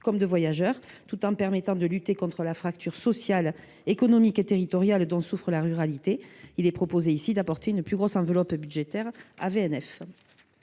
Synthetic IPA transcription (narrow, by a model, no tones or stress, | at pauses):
kɔmd̪əvwajaʒœʁt̪ut̪ɑ̃pɛʁmet̪ɑ̃d̪əlyt̪ekɔ̃t̪χəlafχak̚t̪yʁsɔsjal | ekɔnɔmiket̪eʁit̪ɔʁjald̪ɔ̃sufχəlaʁyʁalit̪eilɛpχɔpozeisid̪apɔʁt̪eynplyɡʁɔsɑ̃vəlɔpbyd̪ʒet̪ɛʁa̰veɛnɛf